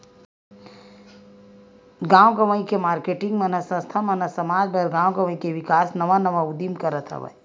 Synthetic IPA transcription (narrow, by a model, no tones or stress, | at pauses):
ɡãːwɡɐʋəĩkemaːɾkeːʈɪ̃ŋɡmɐnəsə̃st̪ʰamɐnɐsɐmaːd͡ʒbʱɐɾɡãːwɡɐʋə̃ĩkeʋɪkaːsnɐʋanɐʋaud̪imkəɾət̪ʰɦɐ̰ʋɐ̰j